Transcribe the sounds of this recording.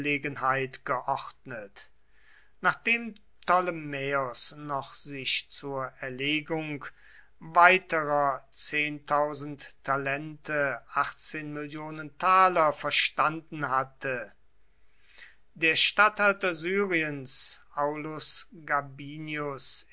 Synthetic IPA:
leːɡənhaɪtɡ̥əʔɔχdnət | naːχd̥eːm | tɔlmɛɔsnɔχz̥ɪʃt͡suːɐɛɐleːɡʊŋk | vaɪtəʁɐt͡seːntʰaʊzn̩ttʰːalɛntʰəaχt͡seːnmɪljoːnəntʰaːlɐfɛɐʃtandn̩ɦatʰə | deːɐʃtathaltɐzyːʁiənsʔaʊlʊsɡabiːnjʊs

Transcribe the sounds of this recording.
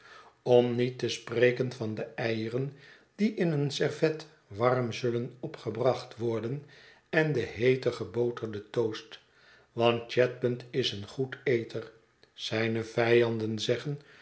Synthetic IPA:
ɔmnitəsprejkənvɑndəɛjərən | d̥iʔɪnənsɛɹvɛt | ʋɑrmzɵlənɔpχəbrɑχtʋɔɹdən | ɛndəɦejtəχəbowtəɹdətowst | ʋɑnt̚t͡ʃɛt̚bəntɪsənχutejtər | z̥ɛjnəvɛjɑndənzɛχən

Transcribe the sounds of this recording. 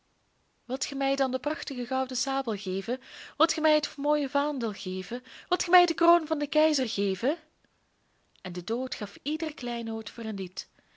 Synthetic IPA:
ʋɪlˠtxəmɛjdɑndəprɑxtəɣəɣɑwdəsaːbəlˠɣeːvəʋɪlˠtxəmɛjɦətmoːjəvaːndəlˠɣeːvəʋɪlˠtxəmɛjdəkroːnvɑndəkɛjzərɣeːvə | ɛndədoːtxɑfidərklɛjnɦoːtfoːrənlit

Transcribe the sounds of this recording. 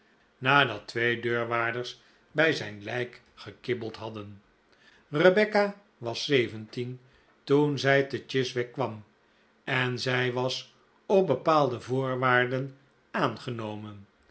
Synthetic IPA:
naːdɑtʋejdøːɹʋaːɹdərs | bɛjzɛjnlɛjk | χəkɪbəlˠtɦɑdən | rəbɛka | ʋɑsejvəntin | tunzɛjtət͡ʃɪsʋɛkʋɑm | ɛnzɛjʋɑs | ɔp̚bəpaːlˠdəvoːɹʋaːɹdən | aːnχənowmən

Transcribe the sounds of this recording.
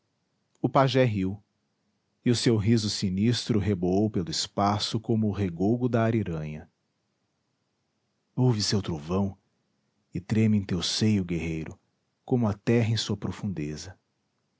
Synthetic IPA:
ʊpaʒɛɦiw | ɪʊsewɦizʊsinist̪ɾʊɦeboowpelʊɪspasʊkõmʊːɦeɡowɡʊd̪ɐaɾiɾɐ̃ɲɐ | owvɪsewt̪ɾovɐ̃w̃ | ɪt̪ɾẽmɪẽt̪ewsejʊɡeɦejɾʊ | kõmʊɐt̪ɛɦɐẽsuɐpɾofũnd̪ezɐ

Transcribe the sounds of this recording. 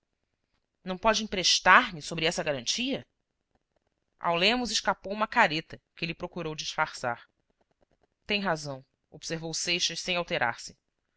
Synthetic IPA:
nɐ̃w̃pɔd͡ʒɪĩpɾeʃt̪aɾmɪsobɾɪɛsɐɡaɾɐ̃nt͡ʃiɐ | a̰wlẽmʊzɪʃkapowũmɐkaɾet̪ɐkɪlɪpɾokuɾowd͡ʒiʃfaɾsa̰ɾ | t̪ẽj̃ɦazɐ̃w̃ | ob̥seɾvowsejʃɐʃsẽj̃awt̪eɾʔa̰ɾsɪ

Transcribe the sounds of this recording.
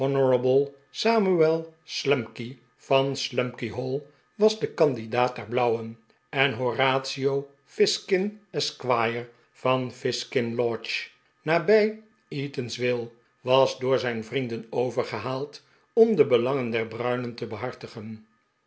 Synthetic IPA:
ɔnəɹəbəlˠ | saːmyɛlˠslɛmki | v̥ɑnslɛmkiɦolˠ | ʋɑzdəkɑndidaːt̚dɛɹblʌwən | ɛnɦoraːtsiow | fɪskɪnɛskʋajəɹ | vɑnfɪskɪnlɔt͡ʃ | naːbɛj | itənsʋɪlˠ | ʋɑzdʊːɹzɛjnvrindənowvəɹχəɦaːlˠt | ɔmdəbəlɑŋəndɛɹbrœɥnəntəbəɦɑɹtəχən

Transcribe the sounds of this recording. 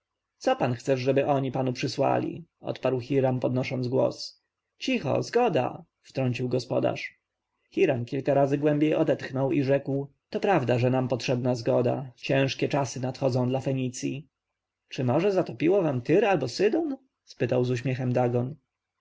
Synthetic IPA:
tsɔpanxt̪sɛʂʐɛbɘʔɔɲipanupʂɘswa̰lʲḭʔɔ̰t̪paɾwxʲiɾampɔd̪nɔʂɔnd̪zɡwɔ̰s | t͡ɕixɔ̰zɡɔd̪a̰ | ft̪ɾɔɲt͡ɕiwɡɔspɔ̰d̪a̰ʂ | xʲiɾamkʲilkaɾazɘɡwɛ̃mbʲjejʔɔd̪ɛt̪xnɔwiʐɛkw | t̪ɔpɾavd̪aʐɛnampɔtʂɛbnazɡɔd̪a̰t͡ɕɛ̃w̃ʂkʲɛt͡ʂasɘnat̪xɔd̪zɔ̃w̃d̪lafɛɲit̪sʲji | t͡ʂɘmɔʐɛzat̪ɔpʲiwɔvamt̪ɘɾalbɔsɘd̪ɔn | spɘt̪awzuɕmʲjɛxɛmd̪aɡɔn

